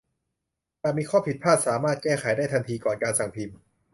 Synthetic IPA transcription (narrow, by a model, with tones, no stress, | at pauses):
t̪aː˨˩miː˧kʰɔː˥˩pʰi˨˩t̪̚pʰaː˥˩t̪̚saː˩˦maː˥˩t̪̚kɛː˥˩xʰa˩˦jdaː˥˩t̪ʰa˧nt̪ʰiː˧kɔː˨˩nkaː˧nsa˨˩ŋpʰi˧m